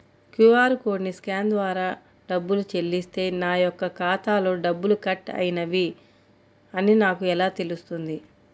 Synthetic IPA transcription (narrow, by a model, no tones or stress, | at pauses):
kjuaːɾko̞ːɖniskaːnd̪ʋaːɾaː | ɖɐbːulut͡ʃe̞lːist̪e̞ːnaːjɔkːɐkaːt̪aːlo̞ːɖɐbːulukɐʈːɐ̰jinɐʋi | ɐninaːkuɛlaːt̪e̞lust̪und̪i